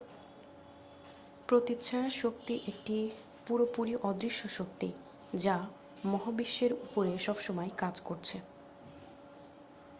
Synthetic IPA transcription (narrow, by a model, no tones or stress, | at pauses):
pɾot̪iːt͡ɕʰaʃok̚t̪iʔek̚ʈi | puɾopuɾiʔɔd̪ɾiʃːoʃok̚t̪i | d͡ʑa | mɔɦobiʃːeɾupoɾeʃɔbʃɔmɔekad͡ʑkoɾt͡ɕʰe